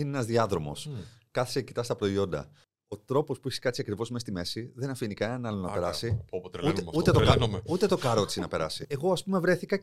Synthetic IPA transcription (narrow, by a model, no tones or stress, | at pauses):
ineenɐzðiɐðɾo̞mo̞̰skɐθi̥seci̥t̪ɐst̪ɐpɾo̞io̞nd̪ɐ̰ | o̞t̪ɾo̞po̞spuiçi̥skɐtt͡siɐkɾivo̞zmest̪ime̞siðe̞nɐfinikɐenɐnɐlo̞nɐpe̞ɾɐsipot̪lut̪euet̪okɐmut̪e̞t̪o̞kɐɾo̞t͡sinɐpe̞ɾɐsieɣo̞ɐspume̞vɾe̞θikɐ